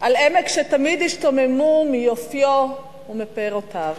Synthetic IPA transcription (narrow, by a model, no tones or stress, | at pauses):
ʔalemekʃet̪amid̪hiʃtomemumijofjo | umepʁotav